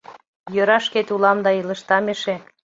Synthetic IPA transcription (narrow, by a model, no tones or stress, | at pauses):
jøɾɑʃket̪ulɑmd̪ɑilə̆ʃt̪ɑmeʃe